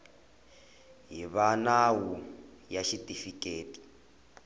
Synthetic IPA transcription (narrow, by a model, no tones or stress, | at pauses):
ɦiβanawu | jaʃitʼifikʼeːti̥